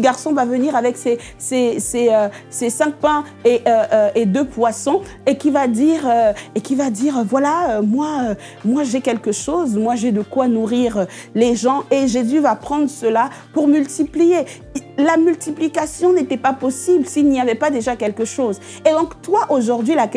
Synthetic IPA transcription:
əɡaʁsɔ̃vavəniʁavɛkse | seseøsesɛ̃k̚pɛ̃ | eʔøøed̪øpwasɔ̃ | ekʲivad̪iʁøekʲivad̪iʁvwalaømwaø | mwaʒɛkʲɛlkəʃozmwaʒed̪əkwanuʁiʁø | leʒɑ̃eʒezyvapχɑ̃d̪ʁəsəla | puʁmylt̪iplije | lamylt̪iplikasjɔ̃net̪ɛpapɔsiblsilnijavɛpad̪eʒakʲɛlkəʃoz | ed̪ɔ̃kt̪waʔoʒuʁd̪ɥila

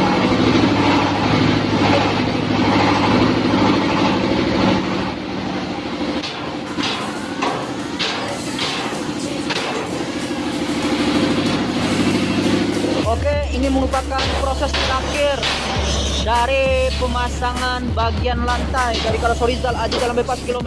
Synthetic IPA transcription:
okeiniməɾupakanpɾosɛst̪əɾakɪr | daɾipəmasaŋanbaɡianlant̪ajdaɾikaɾasoɾizalad͡ʒadalambepaskilom

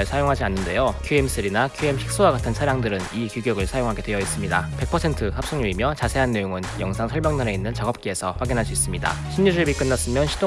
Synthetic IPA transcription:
ɭsʰajoŋɦad͡ʑianːɯnde̞jokʰjue̞ms͈ʰɯɾinakʰjue̞mɕik̚s͈owaɡatʰɯnsʰaɾjaŋdɯɾɯnikjuɡjʌɡɯɭsʰajoŋɦaɡe̞dweʌis͈ɯmɲidape̞k̚pʰʌsʰe̞ntʰɯhap̚s͈uŋɲuimjʌt͡ɕasʰe̞ɦanːe̞joŋɯnjʌŋsʰaŋsʰʌɭbjaŋnaɾe̞inːɯnt͡ɕaɡʌp̚k͈ie̞sʰʌɸwaɡinɦaɭs͈uis͈ɯmɲida̰ɕʰimɲud͡ʑɯɭbik͈ɯnːas͈ɯmjʌnɕʰido

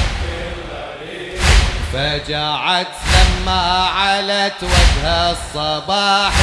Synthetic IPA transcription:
fad͡ʒaʕat̪lamːaːʕalat̪wad͡ʒhasˤːɑbɑːħ

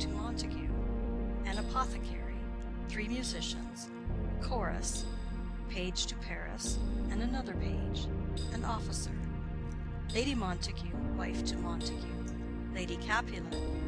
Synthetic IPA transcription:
tʰɨmɑ̃ntʰɨkʰjʉ | æ̃ñəpʰɑθɨkʰɛ̰ɹi | θɹimjʉzɪʃɨ̰̃nz̥ | kʰɔɹɨ̰s | pʰeɪd̥ʒ̥tʰɨpʰɛɹɨ̰sɨ̃nɨnʌðə˞pʰeɪd͡ʒɨ̃nʔɔfəsə̰˞ | leɪɾimɑ̃ntʰɨkʰjʉwaɪftʰɨmɑ̃ntɨkʰjʉ | leɪɾikʰæpʰɨlˠɨ̃n

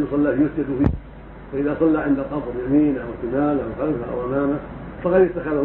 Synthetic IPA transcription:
jʊsˤɑlːaːfjʊsd͡ʒɪd̪ʊhɪ | faʔɪðaːsˤɑlːaʕɪnd̪aqɑbɾˤjamiːnaʔawt̪ɪmaːlawxalzaʔa̰wʔamaːmafɑqɑd̪jɪt̪ːaxað

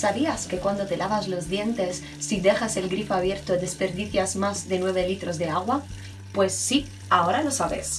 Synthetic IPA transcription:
saβiaske̞kwand̪o̞t̪e̞laβazlo̞zðje̞nt̪e̞sːid̪e̞xase̞lɡɾifoaβje̞ɾt̪oðe̞spe̞ɾðiθjazmazðe̞nwe̞β̞elit̪ɾo̞zðe̞aɣwa | pwe̞sːi | ao̞ɾalo̞saβe̞̰s

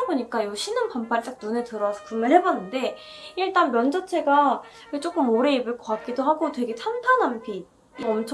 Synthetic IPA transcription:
boɲik͈ajoɕʰinɯnpampʰaɾit͡ɕ͈ak̚nunetɯɾʌsʰʌkumɯɭɦe̞banːɯnde̞ | iɭt͈anmjʌnd͡ʑʌt͡ɕʰe̞ɡa | ket͡ɕ͈ok͈ɯmoɾe̞ibɯɭk͈ʰʌk͈at̚k͈idoɦaɡotwe̞ɡe̞t͡ɕʰantʰanampi | ʌmt͡ɕʰ

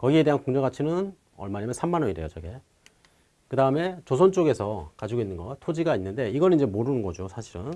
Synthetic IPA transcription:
kʌɡie̞de̞ɦankoŋd͡ʑʌɡat͡ɕʰinɯn | ʌ̰ɭmaɲamjʌnsʰamːanʌɲiɾe̞jot͡ɕʌɡe̞ | kɯdaɯme̞t͡ɕos̬ʰʌnt͡ɕ͈oɡe̞sʰʌkad͡ʑiɡoinːɯnɡʌtʰod͡ʑiɡainːɯnde̞iɡʌnɯniɲd͡ʑe̞moɾɯnɯnɡʌd͡ʑosʰaɕʰiɾɯn

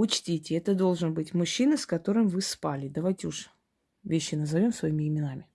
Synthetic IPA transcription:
ʊt͡ɕtʲitʲɪɛt̪əd̪o̞lˠʐɨnbɨtʲmʊɕːinəskɐt̪o̞ɾɨmvɨspalʲɪd̪ɐvajtʲɪʊʂ | vʲeɕːɪnəzɐvʲo̞msvɐimʲɪɪmʲɪnamʲɪ

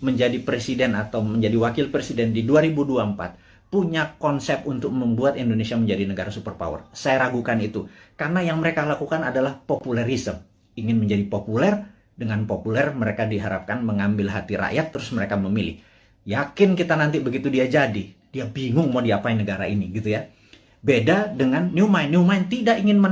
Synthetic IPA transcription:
məɲd͡ʒadipɾesidɛnat̪awməɲd͡ʒadiwakɪlpɾesidɛndiduaɾibuduaəmpa̰t̪̚ | puɲakɔnsɛp̚unt̪ʊk̚məmbuat̪indonesiaməɲd͡ʒadinəɡaɾasupərpa̰wə̰rsajaɾaɡukanit̪ukarnajaŋməɾekalakukanadalahpopulɛɾisəm | iŋɪnməɲd͡ʒadipopulɛr | dəŋanpopulɛrməɾekadiɦaɾap̚kanməŋambɪlɦat̪iɾa̰ʔjat̪ːəɾʊsməɾekaməmilɪ̰h | jakɪnkit̪anant̪ibəɡit̪udiad͡ʒadi | d̥iabiŋʊŋmodiapainəɡaɾainiɡit̪uja | bedadəŋanːiumajnːiumajnt̪idaʔiŋɪnmə

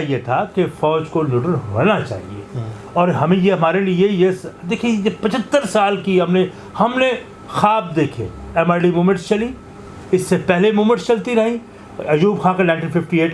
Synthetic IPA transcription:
ɦijet̪ʰakefɔːd͡ʒkonʊʈənɦo̰nat͡ʃa̰ːɦḭḛ | ɔːɾɦɐmẽjeɦɐmaːɾeliejesd̪eːkʰiejepɐt͡ʃʰət̪ːəɾsaːlkiɦɐmne | hɐmne | xaːb̚d̪eːkʰḛ̃ɛmaːɾɖimoːmẽɳʈst͡ʃɐli | ɪsːepɛɦlemoːmə̃ʈst͡ʃɐlt̪iɾɐɦĩ | ɐjuːbxʰãːkenãːɪ̃ɳʈiːnfɪfʈieːʈ

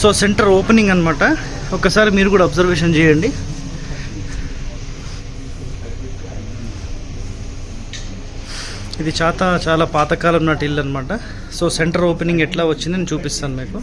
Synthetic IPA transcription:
so̞ːse̞ɳʈɐɾoːpeniŋɡɐnːɐmaːʈɐ | ɔkːɐsaːɾimiːɾukuːɽaːbzɐɾʋeːʂ̬ɐnt͡ʃɛːjɐɳɖi | id̪it͡ʃaːt̪aːt͡ʃaːlaːpaːt̪ɐkaːlɐmnaːʈilːɐnːɐmaːʈɐ | so̞ːse̞ɳʈɐɾoːpeniŋɡɛʈlaːʋɐt͡ʃːind̪ineːt͡ʃuːpist̪aːnumiːku

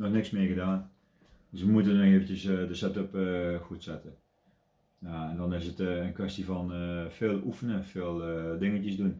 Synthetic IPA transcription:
nɔxnɪksmeːəɣədaːn | døsʋəmuətənɔxeːvən̩təsdəsɛtøpəxuətsɛtə | jaɛndɔnɪsətənkʋɛstifɔnəfeːlˠufənənfeːlˠdɪŋəcəsdun

